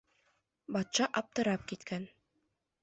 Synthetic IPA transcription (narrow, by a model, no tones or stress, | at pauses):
bɑt̪ʃɑʔɑp̚t̪ɤ̆ɾɑp̚kit̪kʰæn